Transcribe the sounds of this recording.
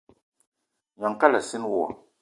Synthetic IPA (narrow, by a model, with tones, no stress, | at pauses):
ɲɔ˨ŋka˦la˨sɪ˦n˦wɔ˦˨ɔ̰˨